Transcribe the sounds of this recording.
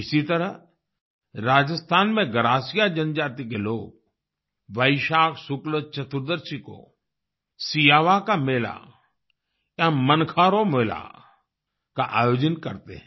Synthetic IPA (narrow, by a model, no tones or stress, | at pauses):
ɪsit̪əɾə | ɾaːd͡ʒəst̪ʰaːnmẽɡəɾaːsijad͡ʒənd͡ʒaːt̪ik̬eloːɡ̚ | ʋəɪʃaːksʊklət͡ʃɐt̪ʊɾd̪əɾsiko̰ | sijaːʋakameːla̰ | jamənkʰaːɾomeːla̰ | kaʔaːjoːd͡ʒənkɐɾt̪ḛɦɛ̃